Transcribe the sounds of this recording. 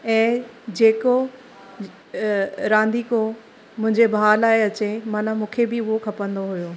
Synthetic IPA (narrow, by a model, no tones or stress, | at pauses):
ɛ̃ːd͡ʑeːko | ɾãːnd̪iko | mʊ̃ɦɪ̃ɲd͡ʑebʱaːlaːeɐt͡ɕemanamũːkʰebiʊɦokʰɐpə̃nd̪oɦujoː